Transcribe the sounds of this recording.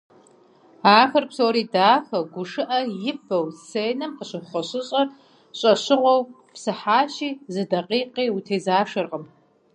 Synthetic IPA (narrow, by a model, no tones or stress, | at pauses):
aːxɐrpsowɾiːdaːxɐɡʷʊʂɨʔɐjɪfɐwseːjnɨmħəɕɨχʷɐɕɪɕʼɐr | ɕʼɐɕɪʁʷɔw | psɨħaːɕiːzɨdɐqʼiːqiːutʰeːzaːʂɐrqəm